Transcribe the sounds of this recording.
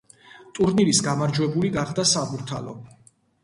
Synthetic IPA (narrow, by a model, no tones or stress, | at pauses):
t̪ʼuɾniɾisɡamaɾd͡ʒwɛbuliɡaχd̪asabuɾt̪ʰa̰lɔ̰